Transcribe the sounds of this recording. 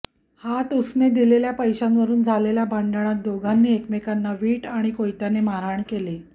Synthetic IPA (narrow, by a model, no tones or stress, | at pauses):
hat̪usned̪ileljapəjɕanʋəɾuːnd͡zʱaleljabʱəɳɖəɳ̃at̪̚d̪oɡʱanːiːekmekanːaʋiːʈaɽ̃ikojt̪janemaɾaɳkele